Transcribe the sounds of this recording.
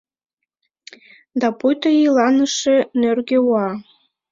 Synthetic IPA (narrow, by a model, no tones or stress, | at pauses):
d̪ɑpujt̪əjilɑnəʃenørɣewɑ